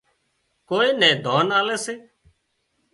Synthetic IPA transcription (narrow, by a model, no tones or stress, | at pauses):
koːiːnɛ̃ːd̪ʱoːnaːlɛːseː